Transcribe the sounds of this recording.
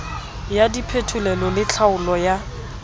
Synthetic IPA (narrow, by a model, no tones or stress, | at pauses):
jadipʰetʰulɛlɔlɪt͡ɬʰaʊlɔja